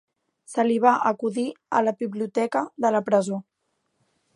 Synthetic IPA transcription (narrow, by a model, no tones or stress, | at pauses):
səliβ̞aʔəkuðiə̰ləβiβliut̪ɛkəðələpɾəzo